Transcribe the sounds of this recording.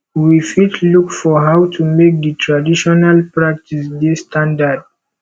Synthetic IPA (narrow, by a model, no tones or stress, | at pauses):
wifitʰlukfɔɦawtʰumek̚dətʰɹadiʃɔnalpɹak̚tisdistʰãndad̚